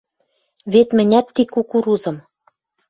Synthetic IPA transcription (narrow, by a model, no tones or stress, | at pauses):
βet̪mɘ̆nʲæt̪ːikukuɾuzɤ̆m